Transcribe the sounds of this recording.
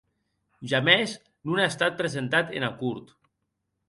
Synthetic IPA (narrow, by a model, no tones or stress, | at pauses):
ʒamez | nunaest̪at̪̚pɾezent̪at̪ḛnakuɾt̪